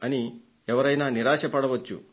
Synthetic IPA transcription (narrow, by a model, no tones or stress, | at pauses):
ɐni | ɛʋɐɾɐjnaːniɾaːʂɐpɐɽɐʋɐt͡ʃːu